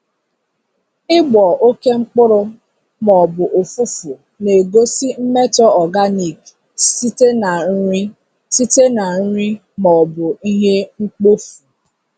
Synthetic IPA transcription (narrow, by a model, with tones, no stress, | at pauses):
ɪ˦ɡ͡bɔ˨ʔo˦ke˦ŋ͡m̩˦k͡pʊ˦ɾʊ˦ | mɔ˨bʊ˨ʔo˨fu˦fʊ˨ | ne˨ɡo˦si˦m̩˦me˦tɔ˦ɔ˨ɡa˦ni˨k | si˦te˦na˨n̩˦ɾi˦ | si˦te˦na˨n̩˦ɾi˦ | mɔ˨bʊ˨i˦ɦe˦ŋ͡m̩˦k͡po˦fu̥˨